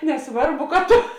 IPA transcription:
nʲɛˈsʋɐrˌbʊ kɐ ˈtoː

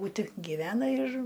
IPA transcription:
buːˈtʲɪ ɡʲɪˈʋʲæːnɐ ɪr

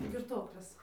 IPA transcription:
ɡʲɪrˈtoːklʲeːs

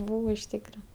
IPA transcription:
ˈbuːʋoː ɪʃ ˈtʲiːkrɐ

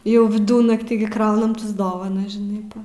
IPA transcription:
ˈjɛʊ ʋʲɪˈdʊnɐktʲiː ɡʲɪ ˈkrɐʊnm tɐs ˈdoːʋɐnɐs ʒʲɪˈnɐɪ ˈpɐ

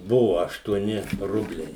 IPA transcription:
ˈbʊʋoː ɐʃtuɔˈnʲɪ ˈrʊbʲlʲɛɪ

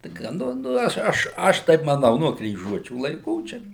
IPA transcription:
ˈtɐɪ kɐ ˈnʊ nʊ ˈɐʃ ˈɐʃ ˈɐʃ ˈtɐɪp mɐˈnɐʊ nuɔ krʲiːˈʒuɔt͡ʃʲuː lˠɐɪˈkuː ˈt͡ʃʲɛ

